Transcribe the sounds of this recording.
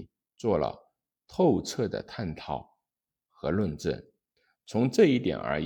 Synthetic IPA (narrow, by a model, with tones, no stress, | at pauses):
t͡swɔ˥˩lə̰˩ | t̪ʰo˥˧ʊt͡sʰɤ˥˩d̪ə̰˩t̪ʰa˥˧nt̪ʰɑ˥˩ʊ | xɤ˧˥lwə˥˧nʈ͡ʂə̰˥˩n | t͡sʰʊ˧˥ŋʈ͡ʂɤ˥˧i˥˩t̪jɛ̰˨˩nə̰˞˧˥